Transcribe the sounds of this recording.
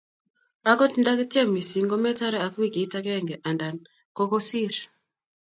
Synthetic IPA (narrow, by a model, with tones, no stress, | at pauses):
a˦kɔ˦ti˦nda˦ki˦ti˦e˦mi˨si˨˦ŋɡɔ˦mɛ˦ta˦ɾɛ˦a˨ki˦˨ki˨˦ta˦kɛ˦˨ŋɡɛ˨ʔa˨nda˨n | kɔ˦kɔ˦si˦˨ɾi˨